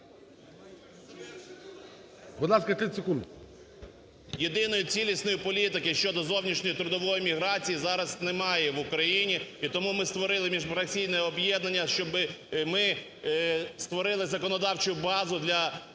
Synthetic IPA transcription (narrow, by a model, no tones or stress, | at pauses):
bʊd̪lˠɑskɐt̪ɪsekund̪ | jed̪ɪnɔjʊt͡sʲilʲisnɔjipɔlʲit̪ɪkɪʃt͡ʃɔd̪ɔzɔwnʲiʃnʲɔjit̪ɾʊd̪ɔʋɔjimʲiɦɾɑt͡sʲijizɑɾɐznemɑjɛʋʊkɾɐjinʲiit̪ɔmumɪst̪ʋɔɾɪlˠɪmʲiʒmɾɐsʲijnɔjɛɔbjɛd̪nɐnʲːɐʃt͡ʃɔbɪmɪ | st̪ʋɔɾɪlˠɪzɐkɔnɔd̪ɑwt͡ʃʊjʊbɑzʊd̪lʲɐ